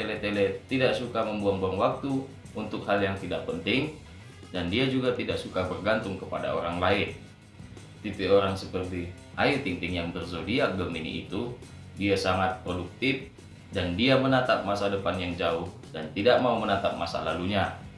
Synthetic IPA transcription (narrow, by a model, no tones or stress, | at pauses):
t̪elet̪elɛt̪idaʔsukaməmbuaŋbuaŋwak̚t̪uː | nt̪ʊkhaljaŋt̪idaʔ̚pənt̪ɪŋ | dandiad͡ʒuɡat̪idaʔsukabərɡant̪ʊŋkəpada̰o̰ɾaŋlaɪn | t̪ipioɾaŋsəpərt̪i | ait̪int̪ɪŋjaŋbərzodiaɡəminḭːt̪u | diasaŋat̪̚pɾoduk̚t̪ɪf | dandiamənat̪ap̚masadəpanjaŋd͡ʒaʊh | dant̪idaʔmaumənat̪ap̚ma̰sa̰laluɲa